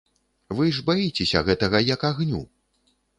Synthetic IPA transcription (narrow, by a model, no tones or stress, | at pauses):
vɨʐbajit͡sʲesʲɐ̰ɣɛt̪ɐɣɐjɐkaɣnʲṵ